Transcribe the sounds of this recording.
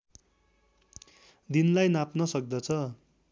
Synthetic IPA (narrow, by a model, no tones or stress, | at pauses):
d̪inlajnapnʌsʌk̚d̪ʌt͡sʰʌ